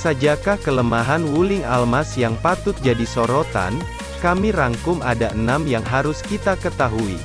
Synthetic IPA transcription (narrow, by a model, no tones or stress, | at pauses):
sad͡ʒakahkələmaɦanwulɪŋalmasjaŋpat̪ʊt̪̚d͡ʒadisoɾot̪a̰n | kamiɾaŋkʊmadaʔənamjaŋɦaɾʊskit̪akət̪aɦuḭ